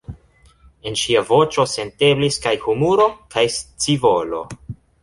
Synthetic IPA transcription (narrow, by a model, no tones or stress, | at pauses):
e̞nʃiavo̞t͡ʃo̞se̞nte̞bliskajhumuɾo̞kʰajst͡sivo̞lo̞̰